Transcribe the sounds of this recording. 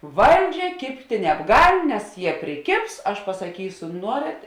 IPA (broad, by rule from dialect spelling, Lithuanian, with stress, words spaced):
ˈʋɐlʲˌd͡ʒʲɛ ˈkʲɪpʲtʲeː nʲɛbˈɡɐlʲ nʲɛs jiɛ pʲrʲɪˈkʲeːps ɐʃ pɐsɐˈkʲiːsʊ ˈnuɔrʲeːt